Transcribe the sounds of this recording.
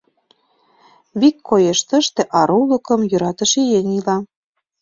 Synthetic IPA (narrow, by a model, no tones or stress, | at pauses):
βikʰːojeʃt̪ə̆ʃt̪ĕʔɑɾulɤ̆kɤ̆mjøɾɑt̪ə̆ʃejenʲilɑ